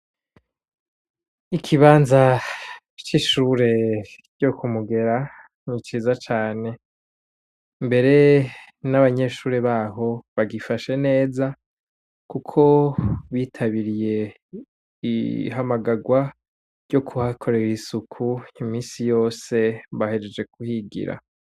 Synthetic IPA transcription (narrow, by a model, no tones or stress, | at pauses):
ikʰiβaːnza | t͡ʃiʃuːɾe̞ɾ̥ɟ̥okumuɡe̞ɾa | nit͡ʃiːzat͡ʃaːne̞ | mbe̞ɾe̞ | naβaɲe̞ʃuːɾe̞βaːɦo̞βaɡifaʃe̞ne̞ːza | kukʰo̞βiːtʰaβiɾije̞ | ḭɦamaɡaɡwa | ɾjɟo̞kʰuhakʰo̞ɾe̞ɾisukʰuimiːsijo̞ːse̞βahe̞ɾed͡ʒe̞kuhiɡḭɾa̰